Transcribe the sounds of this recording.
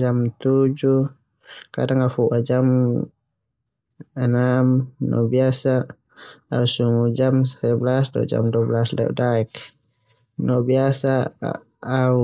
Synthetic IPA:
d͡ʒamt̪ud͡ʒu | ka̰daŋafuʔad͡ʒam | ɛnamnʔɔ̰biasa | ausuŋud͡ʒamsɛblasdɔ̰d͡ʒa̰mduablaslɛ̰udaɛk | nɔbiasaː | u

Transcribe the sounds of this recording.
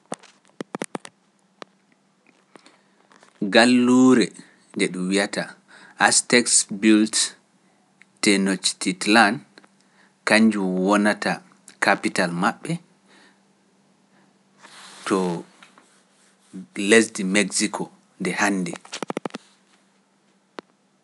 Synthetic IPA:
ɡalːuːɾɛ | ndɛɗumwijata | ʔastɛksbilt | tɛnot͡ʃtitlan | kaɲd͡ʒumwɔnata | kʰapitalmaɓːɛ | tʰɔ | lesdimeɡsikʰɔ | ndɛhanːdɛ

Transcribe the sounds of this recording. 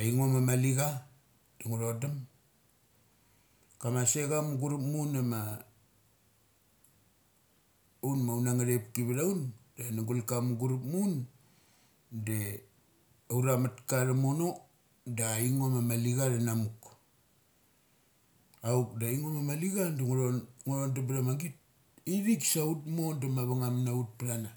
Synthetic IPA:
aiŋomamaliɡa | d̥aŋuɾodam | kamaseɡamuɡuɾupmunama | unmawnaŋaɾep̚kiβiɾaundanaɡulkamuɡuɾupmun | de | awɾamatkaɾamono̞ | daiŋomamaliɡaɾanamuk | uk̚daiŋomamaliɡandaŋɾoŋoɾondap̬ɾamaɡit̚ | iɾiksautmo̞ndamaβaŋamnaut̚pɾana

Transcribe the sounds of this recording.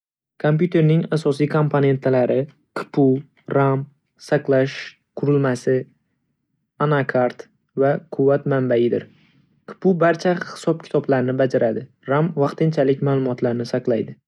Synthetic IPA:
kʰompjut̪ʰe̞ɾnɪŋasɒsijkʰo̞mpʰone̞nt̪ʰlaɾɪ | kʰɪ̥pʰʊ | ɾam | saqlˠaʃ | qʰʊɾɪlmasɪ | anakʰaɾt̪ | vakʰʊvːat̪mambajɪd̪ɪ̰ɾ | kʰɪ̥pʊbaɾt͡ʃʰahɪ̥sɒp̚kʲʰɪ̥t̪ʰɒblaɾɪnɪbad͡ʒaɾad̪ɪ | ɾamvɑqt̪ɪnt͡ʃʰalɪkʲmaːlˠʊmɒt̪laɾnɪsaqlˠajd̪ɪ

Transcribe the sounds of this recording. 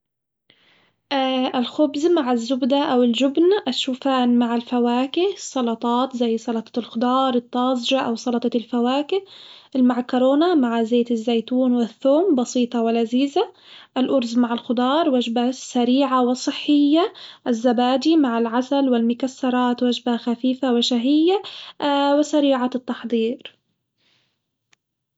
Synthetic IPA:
ʔaʔɪlxʊbzmaʕɪzːʊbd̪aʔawɪlʒʊbnʔaʃːuːfaːnmaʕalfawaːkɪhsˤːɑlɑt̪ˤɑːt̪zajːsˤɑlɑt̪ˤɑ̥lxʊd̪ˤɑːɾˤɨt̪ˤːɑːzˤʒaʔawsˤɑlɑt̪ˤɑlfawaːkɪʔmaʕkʊɾoːnamaʕzeːt̪ɪzːajt̪uːnwɪθːoːmbɑsiːt̪ˤɑwɪlaziːza | ʔɪlʔʊɾzmaʕɪlxʊd̪ˤɑːɾˤwaʒbasaɾiːʕawɪsˤːɨħːɪjːaʔɪzːabaːd͡ʒ̪imaʕalʕasalwɪlmʊkasːɑɾˤɑːt̪wad͡ʒbaxafiːfawɪʃaɦɪjːa | wɪsaɾiːʕat̪ˤːɑħd̪ˤiːɾ

